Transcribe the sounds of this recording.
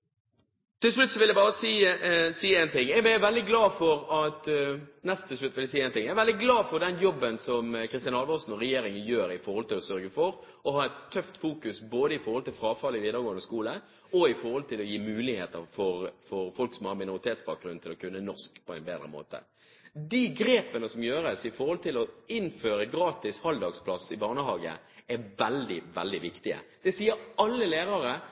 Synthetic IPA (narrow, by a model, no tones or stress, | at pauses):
t̪ɪlsɭʉt̪ːsɔʋɪljɛɪbɑːɾəsiːsiːæːnt̪ʰɪŋːjɛɡmæʋɛld̪ɪɡlɑːfɔɾɑt̪nɛst̪ʰːɪsʂɭʉt̪ːʋɪlɛæsiːæɛːnt̪ɪŋːjææʋɛld̪ɪɡlɑːfɔʁd̪ɛnjɔbːənsɔmkʰɾɪst̪ɪɑnɑlʋɔsn̩ɔʁɛjeːɾɪŋənjøːɾɪfɔɾʁhɔlt̪ɪlɔsœɾɡəfɔɾ | ɔɦɑːɛt̪ʰːœft̪fuːkʉsboːd̪əɪfɔɾhɔlt̪ʰɪlfɾɑːfɑlɪʋiːd̪əɾɡoːənəskuːlə | ɔɪfɔɾhɔlt̪ʰɪlɔjiːmʉːlɪheːt̪əfɔɾfɔɾfɔlksɔmhɑːmɪnʊɾɪt̪ʰeːt̪sbɑːk̚ɡɾʉn̩t̪ʰɪlɔkʰʉnːənɔskpʰɔæɪnbeːd̪ɾəmo̰ːt̪ə̰ | d̪iɡɾeːpənəsɔmjøːɾəsɪfɔɾhɔlt̪ʰɪlɔɪnføːɾəɡɾɑːt̪ɪshɑld̪ɑːɡspʰlɑsɪbɑːʁnəhɑːɡə̰ | ɛʋɛld̪ɪʋɛld̪ɪʋɪkt̪ɪə̰d̪̥ɛsiːəɾɑlːəleːʁɑʁə